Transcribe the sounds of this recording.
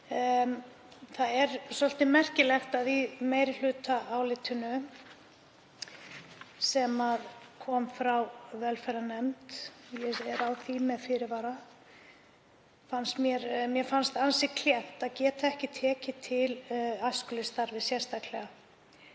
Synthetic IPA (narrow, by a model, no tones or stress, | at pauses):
θaðɛɾsɔl̥t̪ɪmɛr̥cɪlɛxt̪aðimeːjɾɪl̥ʏːt̪aːwlɪt̪ʰʏnʏ | sɛmaðkʰɔːmfɾawvɛlfɛjɾanɛmt̪jɛɛɾawθimɛðfɪɾɪɾvaːɾa | fanst̪mjɛɾmjɛfanst̪ansɪkʰl̥jɛht̪aðcɛːt̪aɛhcɪt̪ʰɛːcɪt̪ʰɪlaskʏlɪst̪aɾvɪsjɛr̥st̪aklɛɣa